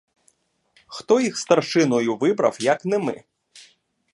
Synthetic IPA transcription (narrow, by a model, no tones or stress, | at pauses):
xt̪ɔjixst̪ɐrʃɪnɔjʊʋɪbɾɐ̰wjɐknɛmɪ̰